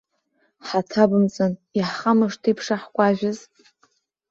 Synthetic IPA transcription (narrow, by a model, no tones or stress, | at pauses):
ħatʰabɨmt͡sʼɨniħχamaʂtʰipʰʂaħkʷʼaʒᶣɪz